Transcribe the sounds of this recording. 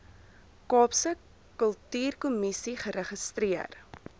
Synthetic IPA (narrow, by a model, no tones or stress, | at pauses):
kɑːpsə | kəlˠtyːrkumisiχəɾəχəst̪riər